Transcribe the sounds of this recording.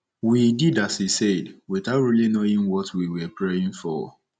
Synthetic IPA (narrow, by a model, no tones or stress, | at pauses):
wididashisɛdwiθaʊtɹilinoĩŋwɔtʰwiwɛpʰɹeĩŋfɔ̰